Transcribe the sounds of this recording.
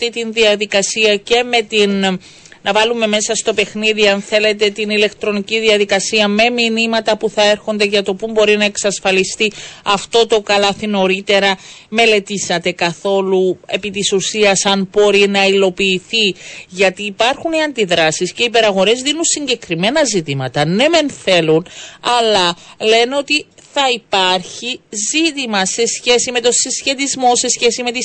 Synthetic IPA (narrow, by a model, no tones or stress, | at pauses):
t̪it̪inðiɐðikɐsiɐce̞me̞t̪inː | ɐvɐlume̞me̞sɐst̪o̞pe̞xniðiɐnθe̞le̞t̪e̞t̪inile̞kt̪ɾo̞niciðiɐðikɐsiɐme̞minimɐt̪ɐpuθɐe̞ɾxo̞nd̪e̞ʝɐt̪o̞pumbo̞ɾinɐe̞ksɐsfɐlist̪iɐft̪o̞t̪o̞kɐlɐθino̞ɾit̪e̞ɾɐme̞le̞t̪isɐt̪e̞kɐθo̞lue̞pit̪isusiɐsɐnb̥o̞ɾinɐilo̞piːθiʝɐt̪iːpɐɾxuniɐnd̪iðɾɐsisce̞ipe̞ɾɐɣo̞ɾe̞zðinunsiɲɟe̞kɾime̞nɐzit̪imɐt̪ɐne̞me̞nθe̞lunɐlɐle̞neo̞t̪iθɐipɐɾçizit̪imɐse̞sçe̞sime̞t̪o̞sisçe̞t̪izmo̞se̞sçe̞sime̞t̪i